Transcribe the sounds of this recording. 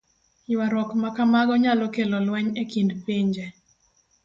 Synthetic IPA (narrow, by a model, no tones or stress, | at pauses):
jwaɾwɔkmakamaɡɔɲalɔkelɔlwɛɲekindpiɲd͡ʒe